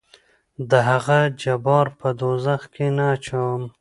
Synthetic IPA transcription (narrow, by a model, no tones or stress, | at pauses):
d̪əɦaɣad͡ʒabɑɾpəd̪ozaxkʰenat͡ʃawm